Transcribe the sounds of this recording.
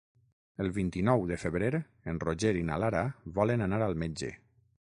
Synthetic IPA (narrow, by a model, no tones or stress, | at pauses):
əlˠβint̪inɔwðəfəβɾeɾ | enroʒeɾina̰laɾaβɔlənanaɾalˠmed͡ʒḛ